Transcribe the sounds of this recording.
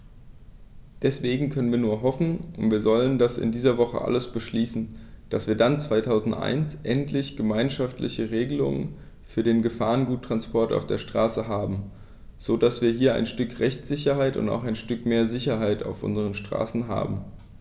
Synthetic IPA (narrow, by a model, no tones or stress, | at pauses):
d̥ɛsv̥eːɡŋ̩kʰœnənviːɐnuːɐɦɔfn̩ʊntv̥iːɐzɔləndasɪ̰ndiːzɐvɔχə̰ʔa̰ləsb̥əʃliːsn̩d̥asv̥iːɐdant͡sv̥aɪtʰaʊzn̩tʔa̰ɪnsʔɛntʰlɪçɡ̥əmaɪnʃaftlɪ̰çəʁeːɡəlʊ̰ŋə̰n | fyːɐɾeːnɡəfaːʁənɡuːtʰːʁ̥anspʰɔɐta̰ʊfd̥eːɐʃtʁ̥aːsəɦaːbm̩ | z̥oːdasv̥iːɐɦiːɐa̰ɪnʃtʏkʁɛçt͡st͡sz̥ɪçɐɦaɪtʊ̰nta̰ʊxaɪnʃtʏkmeːɐzɪçɐɦaɪta̰ʊfʔʊ̰nzəʁənʃtʁ̥a̰ːsn̩ɦa̰ːbm̩